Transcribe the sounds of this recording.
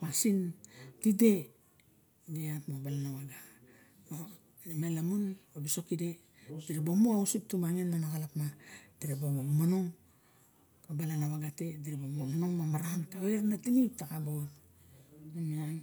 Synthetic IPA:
wasintide̞ | deatmobalanawaɡa | o | nemelamunobiso̞kide̞ | diɾebomoawusip̚tumaŋenːanakalapmad̥iɾebomomanoŋ | kabalanawaɡatediɾebomomanoŋmamaɾantaweɾnatinip̚takabo | namian

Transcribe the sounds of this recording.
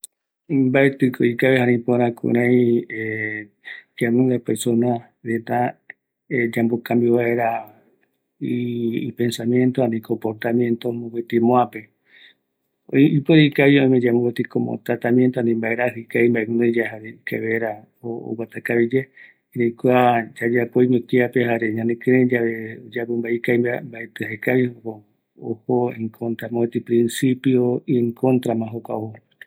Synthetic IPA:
imbaet̪ɨkoikaβehaɾĩpoɾãkṵɾ̃ãj̃e | d͡ʒamũnd̪epesona | ɾet̪a | d͡ʒambokambiβaeɾa | ipe̞nsamjent̪oanĩkompoɾt̪amjẽnt̪omũwet̪imõape | oipoɾikaβiõĩmẽd͡ʒamũwet̪ikomo̰t̪ɾat̪amjẽnt̪oanĩmbaeɾaɦɨkajmbaemũned͡ʒaɦaɾekeβeɾa | oo̰wat̪akaβid͡ʒe | iɾejkʷad͡ʒad͡ʒapoiɲõkiapehaɾeɲãnekẽɾed͡ʒaβeod͡ʒapombaikajambaet̪ehekaβihoko | o̰hoẽŋkʰõnt̪ɾamõet̪ipɾĩnsipjoiŋkont̪ɾamãɦokʷa̰oho

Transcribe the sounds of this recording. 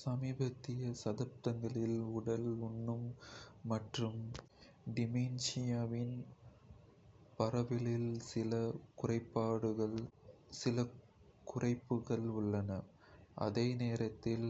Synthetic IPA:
sɐmiːbɐt̪ːɪjɐsɐðɐp̚t̪ɐŋɡɐɭɪlʊɽɐlʊnːɯmːɐʈrɯm | ɖɪmiːnsɪjaːʋɪn | pɐrɐʋɪlɪlsɪlɐkʊrɐɪpːaːɽɯɣɐɭsɪlɐ | kʊrɐɪpːɯɣɐɭʊɭːɐnɐ | ʔɐ̰ðeːneːɾɐt̪ːɪl

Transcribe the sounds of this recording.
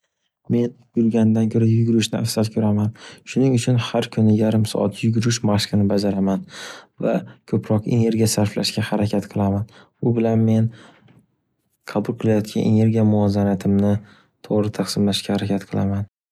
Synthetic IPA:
me̞n | jʊɾɡʲand̪ankʲʰɵɾajʊɡʲʊɾɪʃnɪa̰fsalkʰʲɵɾamanʃʊnɪŋʊt͡ʃʰʊnhaɾkʰʊnɪjaɾɪmsɒ̰ʔa̰t̪jʊɡʲʊɾɪʃmaʃkɨnɪbad͡ʒaɾamanva̰kʰɵpʰɾɒqe̞̰ne̞ɾɡʲijasaɾfla̰ʃkʲahaɾakʲʰat̪qʰɨlˠamanbʊbɪlanme̞n | qʰɑbʊlˠqʰɨlˠajɒt̪kʲʰa̰ne̞̰ne̞ɾɡʲijamʊɒzanat̪ʰɪmnɪ | t̪ʰoʁɾɪt̪ʰaqsɪmlaʃkʲahaɾakʲʰat̪qʰɨlˠaman

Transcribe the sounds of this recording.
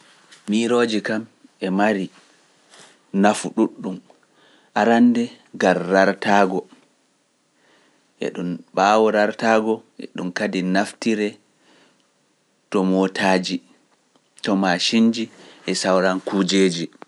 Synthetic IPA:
miɾoːd͡ʒikamɛmaɾi | nafuɗuɗːum | ʔaɾandɛ | ɡaɾːaɾtaːɡɔ | ʔɛ̰ɗunɓaːwɔɾaɾtaːɡɔʔɛ̰ɗumkadinaftiɾɛ | tɔmotʰaːd͡ʒi | tɔmaʃind͡ʒiʔɛsawɾankud͡ʒeːd͡ʒi

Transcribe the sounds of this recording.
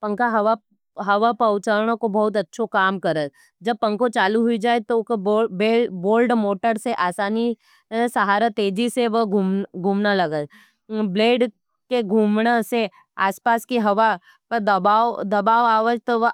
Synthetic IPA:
pɐ̃ŋkaɦɐʋa | ɦɐʋapɐʊt͡ʃəɾɽ̃õkobɐɦʊt̪ɐtːʃʰokaːmkɐɾə | d͡ʒɐb̚pɐ̃ŋkõt͡ʃaːluɦʊid͡ʒaːet̪okbobeːboːlɖmoːʈəɾseʔaːsaːni | sɐɦaːɾat̪eːd͡ʒiseʋəɡʱumɡʱuːmnalɐɡə | bleːɖ | keɡʱuːmɽese | aːspaːskiɦɐʋa | pɐɾd̪ɐbaːd̪ɐbaːʋaːʋəd͡ʒt̪oʋə

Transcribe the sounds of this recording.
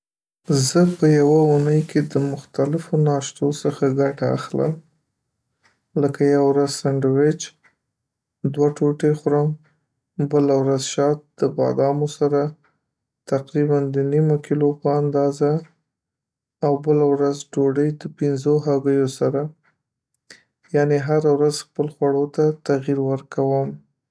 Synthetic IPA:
zəpəjawaunəjkʰed̪əmʊxt̪alɪfonɑʃt̪osəxaɡaʈa̰ːxlə̰m | ləkajawɾazsaɳɖwɪt͡ʃ | d̪waʈoʈexʊɾəm | bəlawɾazʃɑt̪̚d̪̥əbɑ̰d̪ɑmosaɾa | t̪aqɾiband̪ənimokilopəand̪ɑza | wbəlawɾazɖoɖəjd̪əpɪnzoɦaɡəjosaɾa | jɑneɦaɾawɾazxpəlxwaɽot̪at̪aɣiɾwəɾkawəm

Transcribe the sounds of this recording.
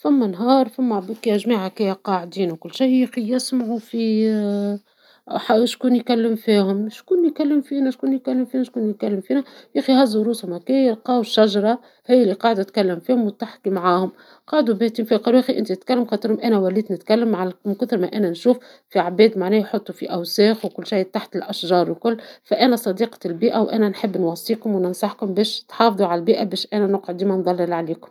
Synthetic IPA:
fæmːænɦɑːɾˤfæmːæbkɛjæʒmiːʕakiqɑʕd̪iːnwkʊlːʃiæxijɪsmʕufi | ħaʃkuːnjkalːəmfiːhʊmʃkuːnjkalːəmfiːnæʃkuːnjkælːəmfiːnæʃkuːnjkælːəmfiːnæjæːxihæzːuɾuːshʊmhækiːəlqɑːwʃːaʒɾˤɑ | hijːɪlːiqɑːʕd̪æt̪kalːəmfiːhʊmwt̪aħkimʕaːhʊm | qɑːʕd̪ubæht̪imfiːqɑlwʔæːxiʔɪ̰nt̪iɪt̪kælːəmxɑːt̪ˤɨɾhʊmʔænæwæliːt̪nɪt̪kælːəmːʕamkʊθɪɾmæʔænænʃuːf | fiabɛːd̪maʕnɛːhjħot̪ˤːufiʔæwsɛːxwkʊlːʃajːt̪aħt̪ɪlʔaʃʒɑːɾˤwlkʊlːfæʔænæsˤɑd̪iːqɑ̥lbiːʔæwʔæ̰nænħɪbːnwɑsˤːiːkʊmwnənsˤɑħkʊmbɛːʃt̪ħɑːfðˤuʕalælbiːʔæbɛːʃʔænænʊqʕʊd̪iːmænd̪ˤɑlːɪlʕaliːkʊm

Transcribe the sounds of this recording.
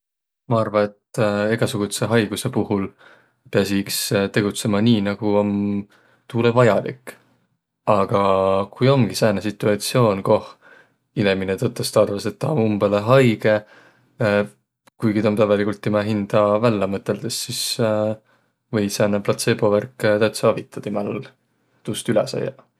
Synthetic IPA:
mɑɑrvɑne̞t̪eɡ̥ɑsuɡ̥ut̪se̞ɦɑjɡ̥use̞puhul | peɑsikst̪e̞ɡ̥ut̪se̞mɑniːnɑɡ̥uo̞n | t̪uːlevɑjɑlḭk | ɑɡ̥ɑkujo̞mɡ̥isæːnesit̪ːˑuɑt̪sio̞ːnko̞h | ineminet̪ɤt̪ːˑɑst̪ɑd̪̥ɑvɑset̪ːɑumbeleɦɑjɡ̥e̞ | kujɡit̪ɑmt̪ævɑlikult̪ːimæɦind̪̥ɑvælːɑmɤt̪ːˑe̞ld̪̥esːis | vɤjsæːneplɑt̪se̞bo̞værkt̪æt̪sɑːvit̪ːˑɑd̪̥imæll | t̪ust̪ylɛsɑ̰jɑ

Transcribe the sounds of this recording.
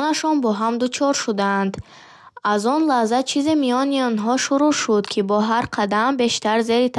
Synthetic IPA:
naʃɔnbɔɦamd̪ut͡ʃʰɔɾʃud̪aːnd̪ | azɔnlahzat͡ʃʰizimijɔniɔnɦɔʃuɾuʃud̪kʰibɔɦaɾqʰad̪ambe̞ʃt̪aɾze̞ɾit̪ʰ

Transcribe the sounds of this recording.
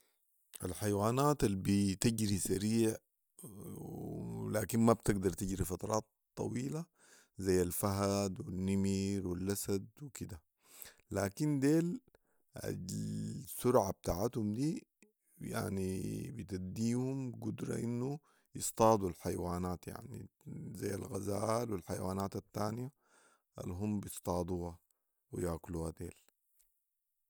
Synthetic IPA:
ʔa̰lħajwaːnaːt̪albit̪iɟɾisaɾiːʕ | laːkinmabt̪ɪɡd̪ɑɾˤt̪iɟɾifɑt̪ɑɾˤʔɑːt̪ˤːɑ̰wiːla | zajːalfaɦad̪winːimiːɾwilːʔasad̪̚wikid̪a | laːkind̪eːl | a̰ | sʊɾʕab̚t̪aːʕat̪humd̪iː | ja̰ʕnibit̪ad̪iːhumɡud̪ɾˤɑ̰ʔinːu | jɨst̪ˤɑːd̪ˤulħajwaːnaːt̪ja̰ʕnḭzajːa̰lɣazaːlwilħajwaːnaːt̪at̪ːaːnija | ʔa̰lɦumbist̪ˤɑːd̪ˤuːha | wḭjaːkluːhad̪eːl

